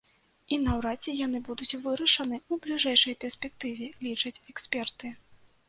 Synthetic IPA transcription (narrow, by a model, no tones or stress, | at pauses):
inɐwɾat͡sʲɛjan̪ɨbud̪ut͡sʲvɨɾɐʂɐnɨublʲiʐɛjʂɐjpʲɛrsʲpʲɛk̚t̪ɨvʲɛlʲit͡ʂɐt͡sʲɛksʲpʲɛrt̪ɨ